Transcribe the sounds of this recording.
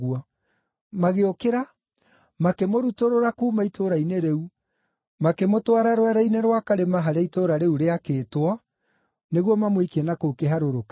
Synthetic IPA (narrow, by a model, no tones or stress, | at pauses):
ɣuɔ | maɣeokeɾa | makemoɾutoɾoɾakumaitʰoɾaineɾeu | makemotwaɾaɾwɛɾaineɾwakaɾemaɦaɾaitoɾaɾeuɾeakeːtwɔ | neɣwɔmamwekiɛnakokeɦaɾoɾok